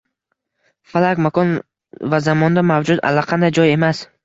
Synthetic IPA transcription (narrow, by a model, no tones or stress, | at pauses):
falakmakɔn | vazamɒnd̪amavd͡ʒud̪a̰lːaqʰɑnd̪ajd͡ʒɒje̞mas